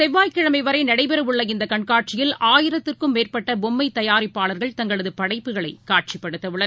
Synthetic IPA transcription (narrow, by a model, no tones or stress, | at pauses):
sɛʋːaːjkɪɻɐmɐɪʋɐɾɐɪnɐɽɐɪpɛɾɐʋɯɭːɐɪnd̪ɐkɐɳkaːʈ̚t͡ʃɪjɪlaːjɪɾɐt̪ːɪrkɯmːeːrpɐʈːɐbɔmːɐɪt̪ːɐjaːɾɪpːaːɭɐɾɣɐɭt̪ɐŋɡɐɭɐðɯpɐɽɐɪpːɯɣɐɭɐɪkaːʈ̚t͡ʃipːɐɽɯt̪ːɐʋɯɭːɐð